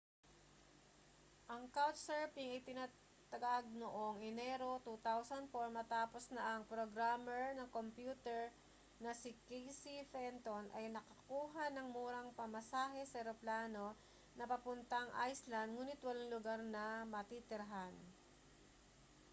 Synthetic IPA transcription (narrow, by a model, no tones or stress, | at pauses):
ʔɐŋkawt̪̚sɛɹpiŋɐjt̪ɪna | t̪ɐɡaɡ̚noʔoŋʔɛnɛɾo̞t̪uːt̪awsɐnd̪̚foɹmɐt̪aːposnɐʔɐŋpɾoɡɾamɛɹnɐŋkompjuːt̪ɛɹ | nɐsɪkɛjsifɛnt̪onʔɐ̰jnɐkɐkuːɦɐnɐŋmuːɾɐŋpɐmɐsaːɦɛsɐɛɾoplaːno̞ | nɐpɐpʊnt̪ɐŋʔa̰jslɐnd̪̚ŋuːnɪt̪wɐlaŋlʊɡaɾnɐmɐt̪it̪ɪɾɐɦan